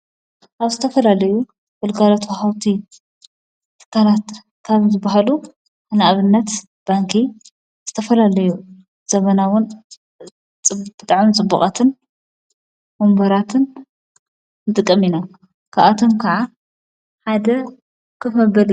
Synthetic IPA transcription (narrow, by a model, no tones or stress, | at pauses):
ʔaβzɨt̪ʰɐfɐlalɐju | fɨlɡalot̪ʰahawt̪ʰi | t̪ʰɨ̥kʰːalat̪ | kʰaβzɨbaɦalu | ʔɨnaʔaβɨnːɐt̪ | b̥aŋkʰi | z̥ɨt̪ʰɐfɐlalɐju | z̥ɐmɐnawʊn | t͡sʼb̥ɨt̪ʼaʕmɨnt͡sʼɨbːuχʼat̪ʰɨn | mombɐɾat̪ʰɨn | t̪ʼɨkʼːɐmina | kʰaʔat̪ʰomkʰɐʕa | ħad̪ɐ | kʰɨfɐbɐl